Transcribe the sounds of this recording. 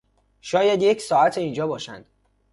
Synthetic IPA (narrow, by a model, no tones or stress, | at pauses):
ʃɒːjæd̪jecʰsɒːæt̪ʰeiːnd͡ʒɒːbɒːʃæ̰nd̪̥